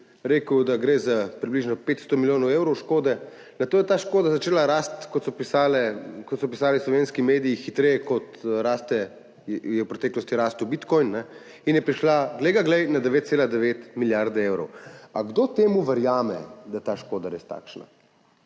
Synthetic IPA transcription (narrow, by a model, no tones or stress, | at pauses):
ɾeːkəwd̪aɡɾeːzapɾibliʒnɔpeːt̪st̪ɔmiljoːnɔweːwɾɔwʃkoːd̪ɛ | nat̪oːjɛt̪aʃkoːd̪azat͡ʃeːlaɾast̪kɔt̪sɔpisaːlɛkɔt̪sɔpisaːlislɔʋenskimeːd̪iixit̪ɾɛjɛkɔt̪ɾaːst̪ɛ | jɛwpɾɔt̪ɛːklɔst̪iɾaːst̪uwbit̪kɔjnːɛ | injɛpɾiʃlaɡlɛjɡaɡlɛjnad̪ɛʋet̪t̪seːlad̪ɛʋeːt̪miljaɾd̪ɛeːwɾɔ̰waɡd̪ot̪eːmuʋɛɾjaːmɛ̰d̪at̪aʃkoːd̪aɾest̪a̰ːkʃna̰